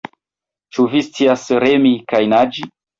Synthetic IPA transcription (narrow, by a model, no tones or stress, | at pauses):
t͡ʃuvist͡siasɾemikajnad͡ʒi